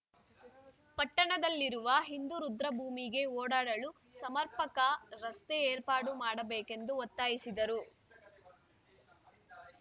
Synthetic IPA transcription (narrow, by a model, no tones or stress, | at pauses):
pɐʈːɐɳɐd̪ɐlːiɾuʋɐɦind̪uɾud̪ɾɐbʱuːmiɡe̞oːɽaːɽɐɭu | sɐmɐɾpɐkɐɾɐst̪eeːɾpaːɽumaːɽɐbeːke̞nd̪uɔt̪ːaːjisid̪ɐɾu